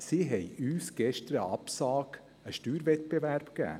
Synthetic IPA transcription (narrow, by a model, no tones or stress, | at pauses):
siɦɛjyːsɡ̥ɛʃtəɾəɑpsɑːɡ̥ | əʃtyːɾvɛt̪̚b̥evæɾb̥kæ̰ː